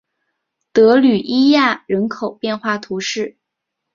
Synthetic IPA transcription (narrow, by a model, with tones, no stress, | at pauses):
t̪ɤ˧˥ly˨˩ʔi˥ja˥˩ɻə˧˥nkʰo˨˩ʊpjɛ˥˧nxwa˥˩t̪ʰu˧˥ʂɻ̩˥˩